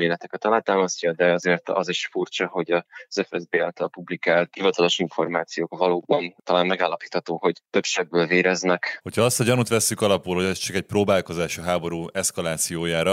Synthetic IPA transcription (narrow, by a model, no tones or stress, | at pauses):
meːlɛt̪ɛkɛt̪ːɒlaːt̪aːmɒscɒd̪ɛɒzeːrt̪ɒ̰ziʃfurt͡ʃɒɦo̞ɟɒz̥ɛfɛzbeːalt̪ɒlpublikaːlt̪hivɒt̪ɒlo̞ʃiɱfo̞̰rmaːt̪sijoːkvɒloːbɒnt̪ɒlaːnmɛɡaːlːɒpiːt̪hɒt̪oːho̞ɟt̪ø̞pʃɛbːøːlveːɾɛznɛkho̞cʰhɒɒst̪ɒɟɒnut̪ʋɛsːykɒlɒpulɦoɟɛst͡ʃɒkɛc̚proːbaːlko̞zaːʃɒɦaːbo̞ɾuːɛskɒlaːt̪sijoːjaːɾɒ